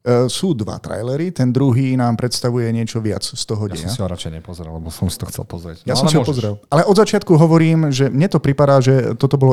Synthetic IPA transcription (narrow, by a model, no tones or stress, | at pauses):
suːd̪ʋa̰t̪ɾa̰jlɛɾit̪ɛnd̪ɾuɦiːnaːmpɾɛt̪st̪aʋujɛɲɪɛt͡ʃɔʋɪa̰t͡sst̪ɔɦɔɟɛ̰jmasiɔɾat͡ʃɛɪɲɛpɔzɾɛ̰llɛbɔsɔmsi̥t̪ɔxtt͡sɛ̰lpɔzɾɛ̰cjasɔmsiɔpɔzɾɛlʔalɛʔɔd̪zat͡ʃɪat̪̚kuɦɔʋɔɾiːmʒɛmɲɛt̪ɔpɾipad̪aːʒɛt̪ɔt̪ɔbɔlɔ